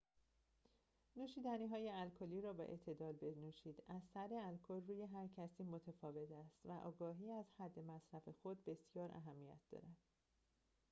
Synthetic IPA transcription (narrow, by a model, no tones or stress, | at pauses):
nuːʃiːd̪æniːɦɒːje̞ælkʰoliːɾɒːbɛ̰ʔḛʔt̪ʰe̞d̪ɒːlbe̞nuːʃiːd̪æzsæɾeælkʰolruːje̞ɦæɾcʰæsiːmo̞t̪ʰefɒːve̞t̪ʰæst̪væʔɒ̰ːɡɒːɦiːæzhæd̪ːe̞mæsɾæfe̞xo̞d̪̚be̞sjɒːɾæ̰ɦæmːijæ̰t̪̚ʰd̪̥ɒ̰ɾænd̪̥